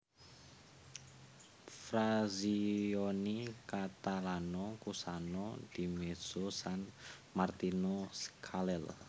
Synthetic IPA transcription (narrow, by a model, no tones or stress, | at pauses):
fɾazionikat̪alanɔkusanɔd̪̥imez̥osanmart̪inoskʰalɛl